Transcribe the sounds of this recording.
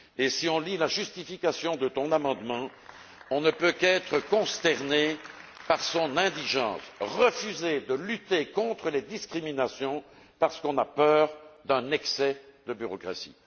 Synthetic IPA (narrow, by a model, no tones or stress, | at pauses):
esiɔ̃lilaʒyst̪ifikasjɔ̃d̪ət̪ɔ̃namɑ̃d̪mɑ̃ | ɔ̃nəpøkɛt̪χəkɔ̃st̪ɛʁnepaʁsɔ̃nɛ̃d̪iʒɑ̰̃ːsʁəfyzed̪əlyt̪ekɔ̃t̪χəled̪iskχiminasjɔ̃ | paʁsə̥kɔ̃napœːʁd̪ɛ̃nɛksɛd̪əbyʁɔkχa̰sḭ